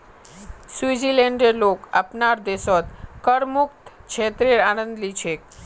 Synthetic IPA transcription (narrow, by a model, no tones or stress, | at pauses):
suizileɳɖeɾloka̰pnaɾd̪esɔt̪kəɾmukt̪t͡ʃʰet̪ɾeɾanənd̪lit͡ʃʰe